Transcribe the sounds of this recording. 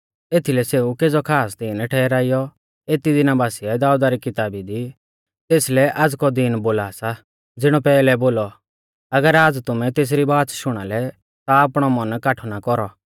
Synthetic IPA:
eːt̪ʰilɛseːukeːd͡zɔkʰaːsd̪ɪnʈʰɛːɾaːijɔ | eːt̪id̪ɪnabaːsiad̪aːud̪aɾikɪt̪aːbid̪i | t̪eːslɛʔad͡zkɔd̪inboːlasa | d͡zɪɽ̃ɔpɛːlɛboːlɔ | ɐɡəɾaːd͡zt̪ʊmɛ̃t̪eːs̬ɾibaːt̪ʃʊɽ̃alɛ | t̪aapɽ̃ɔmɐnkaːʈʰɔnakɔɾɔ

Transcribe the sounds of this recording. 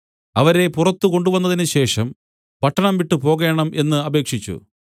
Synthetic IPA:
ɐʋɐɾe̞purɐt̪ːuko̞ɳɖuʋɐnːɐðinɨɕe̞ːʂɐm | pɐʈːɐɳɐmʋiʈːɨpo̞ːɣe̞ːɳɐmʔe̞nːɨɐbe̞ːkʂit͡ɕːṵ

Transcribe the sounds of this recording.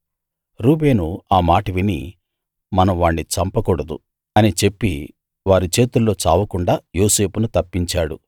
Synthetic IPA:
ɾuːbe̞ːnuaːmaːʈɐʋinḭ | mɐnɐʋaːɳːit͡ʃɐmpɐkuɽɐd̪ṵ | ɐnit͡ʃe̞pːi | ʋaːɾit͡ʃe̞ːt̪ulːo̞ːt͡ʃa̰ːʋɐkuɳɖaːjoːse̞ːpunut̪ɐpːiɲt͡ʃaːɽu

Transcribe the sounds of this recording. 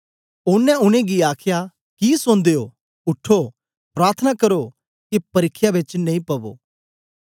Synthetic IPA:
ʊnːɛ̃ʊñẽɡiaːkʰja | kisʊ̃nd̪ejo | ʊʈʰːo | pɾaːɾt̪ʰənakɐɾo | kipɐɾɪkʰːjabɪt͡ʃnɐ̃ĩpɐbo̰ː

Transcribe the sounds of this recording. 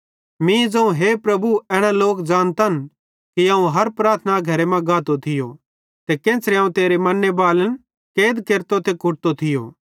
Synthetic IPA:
mĩd͡zɐ̃ũɦeːpɾɐbuɛːɽ̃aloːkd͡ʒaːnt̪ɐn | kiaːũɦɐɾpɾaːɾt̪ʰnaɡʱɐɾemɛ̃ɡaːt̪ot̪ʰɪjo̰ | t̪ekẽːsʰɾeãːũt̪eːɾemɐnːebaːlən | keːd̪keɾt̪ot̪ekʊʈ̚t̪ot̪ʰɪjo̰ː

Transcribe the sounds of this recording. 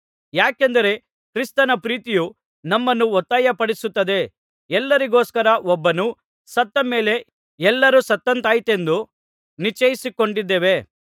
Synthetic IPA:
jaːkend̪ɐɾe̞ | kɾist̪ɐnɐpɾiːt̪iju | nɐmːɐnːuɔt̪ːaːjɐpɐɽisut̪ːɐd̪e̞ | ɛlːɐɾiɡoːskɐɾɐʔɔbːɐnu | sɐt̪ːɐme̞ːle̞ | ɛlːɐɾusɐt̪ːɐnt̪aːjit̪e̞nd̪u | nit͡ʃɐjisiko̞ɳɖid̪ːeːʋe̞

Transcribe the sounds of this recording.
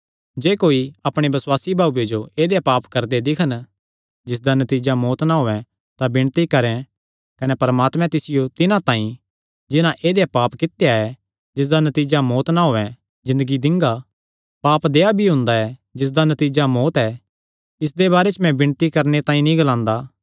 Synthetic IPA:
d͡ʒeːkoːiɐpɽ̃ebɐswaːsibʱaːujed͡ʒoeːd̪ejapaːpkɐɾd̪ed̪ɪkʰən | d͡ʒɪs̬d̪anɐt̪iːd͡ʒamɔːt̪naɦoːɛ̃ | t̪abɪ̃ɳt̪ikɐɾɛ̃ | kɐnɛpɐɾəmaːt̪mɛ̃t̪ɪsɪjot̪ɪnãt̪ãːĩ | d͡ʒɪnãʔeːd̪ejapaːpkɪt̪jaɛ | d͡ʒɪs̬d̪anɐt̪iːd͡ʒamɔːt̪naɦoːɛ̃ | zɪ̃nd̪əɡid̪ɪ̃ŋɡa | paːpd̪eːabʱiɦʊ̃nd̪aɛd͡ʒɪs̬d̪anɐt̪iːd͡ʒamɔːt̪ɛ | ɪs̬d̪ebaːɾet͡ʃmɛ̃bɪ̃ɽ̃t̪ikɐɾnet̪ãːĩnĩɡɐlãːnd̪aː

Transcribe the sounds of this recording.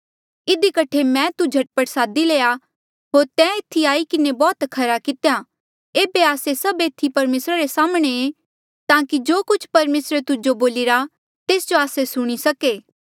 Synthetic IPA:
ɪd̪ikɐʈʰemɛ̃t̪ud͡ʒʱɐʈ̚pəʈsaːd̪ileːja | ɦoːɾt̪ɛ̃ːet̪ʰːiaːikɪnebɔːt̪kʰɐɾakɪt̪eja | eːbeaːsesɐbeːt̪ʰːipɐɾmeːsɾaɾesaːmɽ̃ee | t̪aːkid͡ʒoːkʊt͡ʃʰpɐɾmeːsɾet̪ʊd͡ʒoboːlɪɾa | t̪eːsd͡ʒoaːsesʊɽ̃isɐkeː

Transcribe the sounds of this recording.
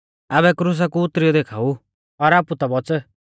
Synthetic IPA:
aβɛkɾus̬akuʊt̪ɾijɔd̪ekʰaːu | ɔɾaːput̪abɔt͡sə

